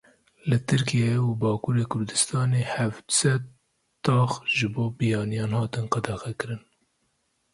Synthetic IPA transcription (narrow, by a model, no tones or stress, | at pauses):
lɨt̪ʰɨɾkijeubɑːkuːɾeːkʰʊɾd̪ɨst̪ɑːneːhævd̪sɛd̪̚ | t̪ɑːxʒɨboːbijɑːnijɑːnhɑːt̪ɨnqɑd̪ɑxɛkɨɾɨn